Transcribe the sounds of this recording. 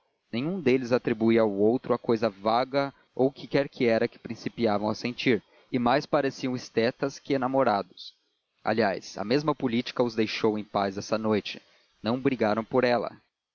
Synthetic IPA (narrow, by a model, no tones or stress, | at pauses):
nẽɲ̃ũd̪elɪzat̪ɾibuiawowt̪ɾʊakojzɐvaɡɐ | owkɪkɛɾkʰɪɛɾɐkɪ̥pɾĩsipiavɐ̃w̃ɐsẽnt͡ʃiɾ | ɪmajspaɾesiɐ̃w̃ɪst̪ɛt̪ɐskɪenamoɾad̪ʊs | ʔa̰lia̰jsɐ̰mezmɐpʊlit͡ʃi̥kɐʊzd̪ejʃowẽj̃paznɛsɐnojt͡ʃɪ̥ | nɐ̃w̃bɾiɡaɾɐ̃w̃poɾɛlɐ̰